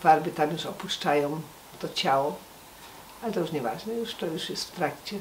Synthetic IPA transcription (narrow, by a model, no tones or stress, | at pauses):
faɾbɘt̪amjuʂɔpuʂt͡ʂajɔ̃w̃ | t̪ɔt͡ɕawɔ | alɛt̪ɔjuʂɲɛva̰ʐnɛjuʂt̪ɔjuʂjɛst̪ft̪ɾakt͡ɕɛ